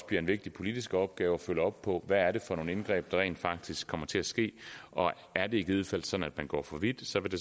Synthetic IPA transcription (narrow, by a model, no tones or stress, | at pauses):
b̥iɐe̝nʋe̝ɡ̥̚d̥ipʰo̝lid̥isɡ̥əɒ̽b̥̚ɡ̥ɛːʊɒ̽føləɒ̽b̥pʰɒ̽ʋææɐɾe̝fɒno̝ːne̝nɡ̥ʁɛ̰ːb̥̚d̥ɑ̈ʁɛ̰ɪːnd̥fɑ̈ɡ̥̚d̥isɡ̥kʰːɒ̽m̰ɐt͡sʰe̝æsɡ̥e̝̰ːʔɒ̽ | æɐd̥e̝eɡ̥ið̩ˠfæl̰d̥sɒ̽d̥n̩æd̥mænɡ̥ɒ̰ːfɒ̽ʋid̥sɒ̽ʋe̝d̥e̝